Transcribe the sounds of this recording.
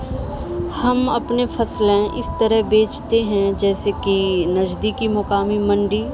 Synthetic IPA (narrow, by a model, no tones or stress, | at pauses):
hɐmɐpnefʰɐslẽʔɪst̪əɾəɦbeːt͡ʃt̪eɦɛ̃d͡ʒɛːsekinɐd͡ʒd̪ikimʊkaːmimɐ̃ɳɖiː